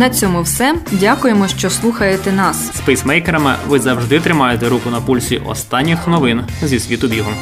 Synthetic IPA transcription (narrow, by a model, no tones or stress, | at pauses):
nɐt͡sʲɔmʊwsɛdʲakʊjemɔʃt͡ʃɔslˠuxɐjet̪ɛnɑsspɛjsmɛjkeɾɐmɪ̰ʋɪzɐwʒd̪ɪt̪ɾɪmɑjet̪ɛɾukʊnɐpulʲsʲiʔɔ̰st̪ɑnʲːɪxnɔʋɪn | zʲisʲʋʲit̪ʊbʲiɦˠɔm